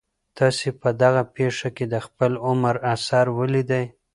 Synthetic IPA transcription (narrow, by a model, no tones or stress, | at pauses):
t̪ʰɑsepəd̪aɣapeʂaked̪əxpəlʊmaɾasɑɾwəlid̪aj